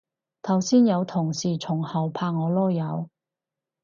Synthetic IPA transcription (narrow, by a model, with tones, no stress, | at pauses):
t̪ʰɐ˨˩wsiː˥njɐ˨˧wt̪ʰʊ˨˩ŋsiː˨˩t͡sʰʊ˨˩ŋhɐ˨˩wpʰaː˧ŋ̚ŋɔː˨˧lɔː˥jɐ˨˧w